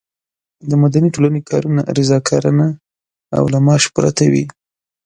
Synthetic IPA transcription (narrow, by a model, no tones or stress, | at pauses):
d̪əmad̪aniʈolanekʰɑ̰ɾuna̰ɾɪzɑkʰɑɾana | a̰wlamɑʃpɾa̰t̪awḭ